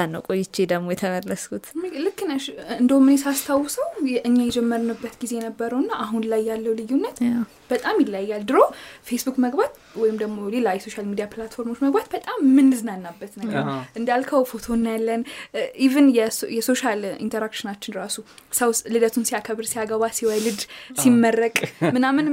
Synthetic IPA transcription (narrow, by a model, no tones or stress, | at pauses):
anːə̰wkʼojːɪt͡ʃːed̪əɡmo̞jɛt̪ʰəməlːəskʰut̪lɨkːɨnəʃɨnd̪əwmɨnesast̪ʰawːsəwjɛʔɨɲːajɛd͡ʒɛmːəɾnɨbːət̪ɡize̞jɛnəbːəɾəwnːaʔaɦunlajːalːəwlɨjːunːət̪ | b̥ət̪ʼamjɪlːajːald̪ɨɾofe̞sbukməɡbat̪ | wɔjɪmd̪əɡmo̞le̞lajɛso̞ʃalmid̪ijaplat̪fo̞ɾmo̞t͡ʃːməɡ̚bat̪̚bət̪ʼamːɨnːɨzɨnanːabːət̪nəɡəɾʔɨnd̪alkʰəwfo̞t̪ʰo̞nːajalːənʔivɨnjɛjɛso̞ʃalḭnt̪ʰəɾakʃɪnat͡ʃːɪnɾasusəwlɨd̪ət̪ʰunsiakʰəβɨɾsiaɡəβasiwajlɨd̪simːərːəkʼmɨnamːɨn